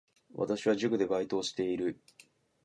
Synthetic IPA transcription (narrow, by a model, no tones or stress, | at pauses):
βa̰t̪aɕiβaʑɨkɯ̟d̪e̞bait̪o̞ːɕi̥t̪e̞iɾɯ̟